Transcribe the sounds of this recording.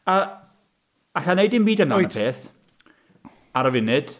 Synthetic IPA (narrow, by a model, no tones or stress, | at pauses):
a | aɬanejdɪmbiːdənajpʰeːθ | aɾəvɪnɪd̥